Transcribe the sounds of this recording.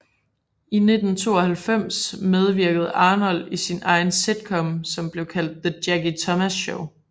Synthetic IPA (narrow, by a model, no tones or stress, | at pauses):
ine̝d̥n̩t͡sʰo̝̰ːɒ̽hælfem̰smeð̞ˠʋiɐɡ̥əð̩ˠɑ̈ːnɒ̽lisinɑ̈ɪnse̝d̥̚kʰɒ̽msɒ̽mb̥le̝ʊkʰæl̰d̥̚ðəd̥jæɡ̥it͡sʰɒ̽mæsɕoʊ